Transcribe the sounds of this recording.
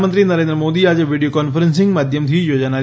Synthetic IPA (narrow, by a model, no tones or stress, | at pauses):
mənt̪ɾinəɾẽnd̪ɾəmod̪iad͡ʒeʋiɽijokɔnfəɾənsɪ̃ŋɡmad̪ʱjəmt̪ʰijod͡ʒna